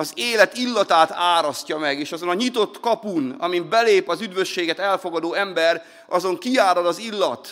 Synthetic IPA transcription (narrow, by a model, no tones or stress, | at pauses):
ɒzeːlɛt̪ilːɒt̪aːt̪aːɾɒscɒmɛɡeːʃɒzo̞nɒɲit̪o̞t̪kɒpunɒ̰mimbɛleːpɒzyd̪ʋø̞ʃːeːɡɛt̪ɛlfo̞ɡɒd̪oːɛmbɛr | ɒzo̞ŋkiaːɾolɒzilːɒt̪